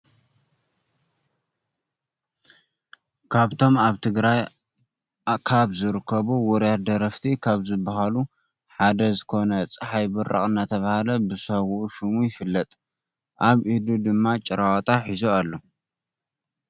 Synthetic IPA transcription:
kʰaβt̪ʰo̞maβt̪ʰɨɡɾaj | kʰaβzɨɾɨkʰːɐβuwɔɾjat̪̚d̪ɐɾɐft̪ʰikʰaβzɨbaɦalu | ħad̪ɐzɨkʰo̞nɐt͡sʼɨħajbɨɾʔa̰χʼɨnat̪ʰɐβahalɐbɨsɐɡuʔuʃumujɪfɨlːɐt̪ʼ | ʔaβʔid̪ud̪ɨmːat͡ʃʼɪɾawt̪ʼaħizoalːo̞

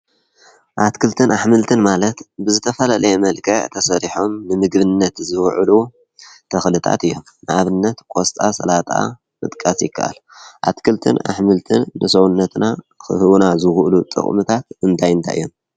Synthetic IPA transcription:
ʔat̪kʰɨlt̪ʰɨnʔaħmɨlt̪ʰɨnmalɐt̪bɨzɨt̪ʰɐfɐlalɐjemɐlkʰɐʕt̪ʰɐsɐɾiħo̞mnɨmɨɡbɨnːɐt̪zɨwʕɨlu | t̪ʰɐxlɨt̪ʰa̰t̪ɨjːo̞mnɨʔaβɨnːɐt̪kʷʼost̪ʼasɐ̰lat̪ʼa̰ | mɨt̪ʼkʼasjɪkʰːa̰ʔa̰lʔa̰t̪kʰɨlt̪ʰɨ̰na̰ħmɨlt̪ʰɨnːɨsɐwunːɐt̪na | xɨhɨβunazɨxʔlut̪ʼɨ̰χʼmɨt̪ʰat̪ɨnt̪ʰajɨnt̪ʰa̰jɨ̰jːo̞m

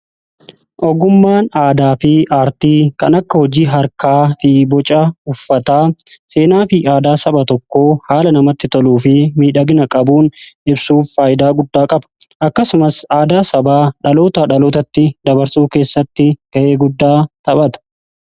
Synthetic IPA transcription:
ʔɔɡʊmːaːnaːd̪aːfɪʔaːɾt̪iːkɐnɐkːɐhɔd͡ʒiːɦɐɾkaːfɪbɔt͡ʃʼɐʊfːɐt̪aːse̞ːnaːfɪʔaːd̪aːsɐbɐt̪ɔkːoːhaːlɐnɐmɐt̪ːɪt̪ɔluːfɪmiːᶑɐɡnɐkʼɐbuːnʔɪbsuːfːaːjɪd̪aːɡʊd̪ːaːkʼɐbɐ̥ʔɐkːɐsʊmɐsaːd̪aːsɐbaːᶑɐlo̞ːt̪ɐᶑɐloːt̪ɐt̪ːɪd̪ɐbɐɾsuːke̞ːsːɐt̪ːɪɡ̥ɐʔe̞ːɡʊd̪ːaːt̪ɐɓɐt̪ɐ̥

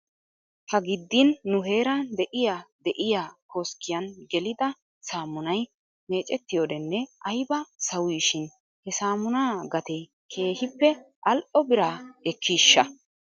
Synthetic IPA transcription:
hɐɡɪd̪ːɪnːʊɦe̞ːɾɐd̪ɛʔɪjaːd̪ɛʔɪjaːkoːskːɪjɐnɡɛlɪd̪ɐ | saːmʊnɐj | me̞ːt͡ʃʼɛt̪ːɪjoːd̪ɛnːɛʔɐjbɐsɐwiːʃɪn | hɛsaːmʊnaːɡɐt̪e | kʰe̞ːhɪpːɛ | ʔɐlʔɔbɪɾaːɛkʰːiːʃːɐ

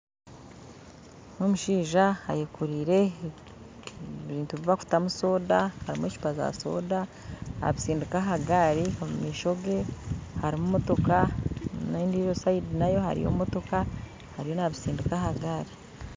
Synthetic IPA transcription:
nomuʃiːʒaha̰jekuɾiːɾe̞ | βiːntuβiβaku̥tamuso̞ːdahaɾimweʃu̥paza̰so̞̰ːda | a̰βisiːndukaɦaɡaɾiomumiːʃo̞ɡe̞haɾimumo̞to̞kanaiːndiɾosaidinajo̞ha̰ɾḭjo̰moto̞ka | haɾijo̞naβisiːndukahaɡaɾi

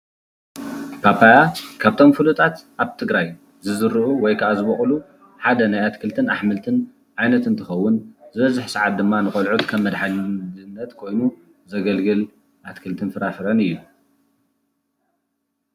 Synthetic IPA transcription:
pʰapʰajakʰaβt̪ʰo̞mfɨlut̪ʼat̪ʔaβt̪ʰɨɡɾaj | zɨzɨɾɨʔuwɔjkʰɐʔazɨβɐχʼlu | ħad̪ɐnajat̪kʰɨlt̪ʰɨnaħmɨlt̪ʰɨn | ʕajnɐt̪ɨnt̪ʰɨxɐwːʊnzɨβɐzɨħsaʕat̪̚d̪ɨmːanɨxʼɐlʕut̪kʰɐβmɐd̪ħaɨnːɐt̪kʰo̞jnu | zɐɡɐlɡɨl | ʔat̪kʰɨlt̪ʰɨnfɨɾafɨɾɐnɨjːu

